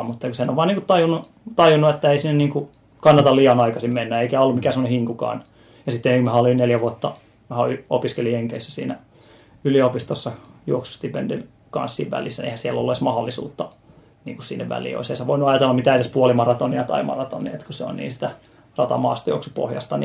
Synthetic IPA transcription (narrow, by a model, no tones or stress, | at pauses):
mut̪ːɑkusenoʋʋɑːniːŋkut̪t̪ɑjunːu | t̪ɑjunːuet̪ːæeisinːeniːŋku | kɑnːɑt̪ɑlliɑnɑikɑsimmenːæeikæolːumikæsemonehiŋkukɑ̰ːn | jɑsit̪ːeikmæhæolinneljæʋuot̪ːɑ | ʋæhæyopiskelijeŋkeisːæsḭːnæ | yliopist̪osːɑjuoksu̥st̪ipḛndḭn | kɑ̰nsːḭːʋʋæ̰lisːænḛihæsielːolːeismɑhɑlːisṵːt̪ːɑ | nḭːŋkussḭnːḛʋʋæ̰lḭːo̰iseisæʋoinuɑjɑt̪elːɑmmit̪æedespuolimɑrɑt̪oniɑt̪ɑ̰imɑ̰rɑt̪o̰nḭḛt̪kuseo̰nnḭːnsi̥t̪æ | rɑt̪ɑ̰mɑ̰ːst̪ɑjo̰oksupo̰hjɑ̰st̪ɑni